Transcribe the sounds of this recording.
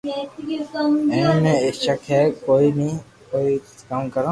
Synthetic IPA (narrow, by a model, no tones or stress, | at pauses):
ɛ̃ːmɛ̃ːɪʃəkʰɦɛːkoːinĩ | koːikaːmkəɾã